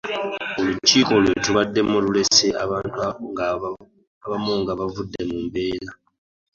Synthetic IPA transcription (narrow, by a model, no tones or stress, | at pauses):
o̞luciːko̞lwe̞tuβadːe̞mulule̞se̞ʔaβantŋ | aβamuŋɡaβavudːe̞muːmbe̞ːla